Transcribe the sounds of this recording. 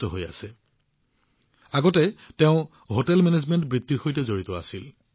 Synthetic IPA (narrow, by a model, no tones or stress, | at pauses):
tɔɦoja̰sɛ | aɡɔtɛtɛʊ̃ | ɦotɛlmɛnezmɛntbɹitːixojtɛzoɹitɔa̰sil